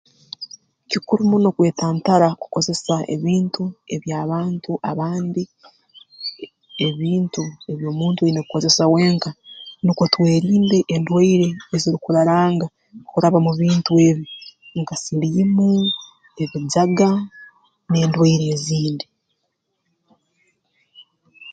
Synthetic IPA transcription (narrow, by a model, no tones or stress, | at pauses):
cikuɾumuno̞kwe̞ːtaːntaɾaku̥ko̞ze̞saḛβiːntue̞βjaːβaːntuʔaβaːndi | eβiːntue̞βjo̞ːmuːntueinekuko̞ze̞sawe̞ːŋkanikotwe̞ːɾiːnde̞ʔːndwaiɾe̞ːziɾikuɾaɾaːŋɡa | kuɾaβamuβiːntue̞βjoŋkasiβiimu | e̞βid͡ʒaɡa | ne̞ːndwaiɾe̞ːziːndi